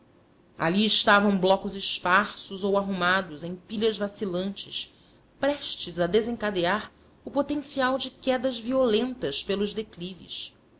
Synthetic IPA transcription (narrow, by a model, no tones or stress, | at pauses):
a̰liɪʃt̪avɐ̃w̃blɔkʊzɪʃpaɾsʊzowaɦumad̪ʊzẽj̃piʎɐzvasilɐ̃nt͡ʃɪs | pɾɛʃt͡ʃɪzad̪ezẽŋkad̪eaɾ | ʊpot̪ẽsiawd͡ʒɪkɛd̪ɐzviolẽnt̪ɐʃpelʊʒd̪eklivɪ̰ʃ